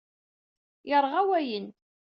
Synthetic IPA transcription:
jəɾˤʁawæjən

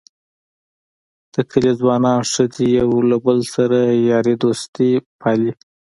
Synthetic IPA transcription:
d̪̥əkʰəlezwɑnɑnʂəd͡zejawlabəlsaɾajɑɾid̪ost̪ipʰɑli

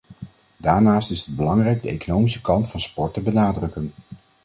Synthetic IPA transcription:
daːɹnaːstɪsəd̚bəlɑŋrɛjɡ̚dəḛjkonowmisə̥kɑntfɑnspɔɹtəbənaːdrɵkən

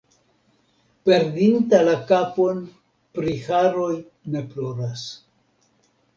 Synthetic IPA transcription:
pe̞ɾdintalakapo̞n | pɾihaɾo̞j | ne̞plo̞ɾas

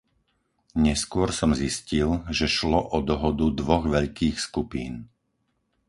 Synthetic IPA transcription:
ɲɛskʊɔɾsɔmziscilʒɛʃlɔʔɔd̪ɔɦɔd̪ud̪ʋɔɣʋɛʎkiːxskupiːn

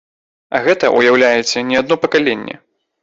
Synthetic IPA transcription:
ɐ̰ɣɛt̪ɐʔujawlʲajɛt͡sʲːɐnʲɛad̪nɔpɐkalʲenʲːɛ̰

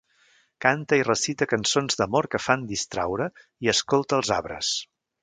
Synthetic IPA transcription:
kant̪əirəsit̪əkənsonzd̪əmoɾkəfand̪ist̪ɾa̰wɾə | iəskolˠt̪əːlˠzaβɾə̰s

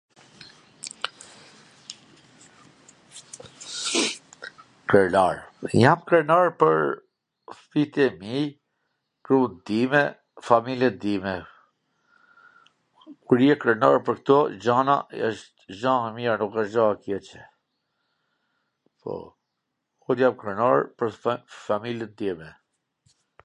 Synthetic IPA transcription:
kəlaɹjamkɾɛnaɾpəɾ | fit̪iɛmij | kɾud̪imɛ | familjɛd̪imɛ | kuɾjɛkɾəna̰ɾpəɾkt̪ɔd͡ʒana̰ə̰ʃt̪ʒamiɾanukəʃd͡ʒaakjɛt͡ʃɛ | pʰɔ̰ | kɔd̪jamkɾɛnaɹpəɾfamiljɛt̪̚d̪imɛ

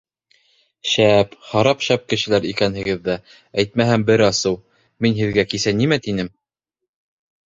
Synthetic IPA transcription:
ʃæphɑɾɑpʃæp̚kɘ̆ʃɘ̆læɾikænhɘ̆ɡɘðːæ | æjt̪̚mæɦæmbɘɾɑsɤw | minɦɘ̆ðɡækisænimæt̪inɘm

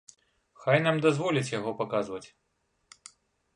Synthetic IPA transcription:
xajnamd̪azvɔlʲit͡sʲjaɣɔpakazvɐt͡sʲ

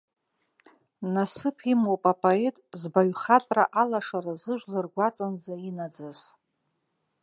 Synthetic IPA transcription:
nasɨpʰimwopʼapʼoe̞tʼzbaɥχatʼraʔalaʂarazɨʒʷᶣlɨrɡʷat͡sʼanzainad͡zaz

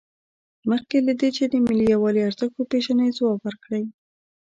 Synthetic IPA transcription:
məxkelad̪et͡ʃed̪əmɪlijawɑliaɾzakopeʒanəjzwɑbəɾkɽəj

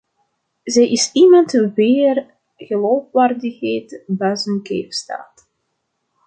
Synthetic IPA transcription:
zɛjʔɪsimɑntʋeːr | ɣəloːfʋaːrdəxeːtbɛːzənkḛːfsta̰ːt

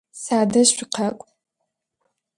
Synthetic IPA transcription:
saːdɐɕʷɪqʰɐkʷʼ

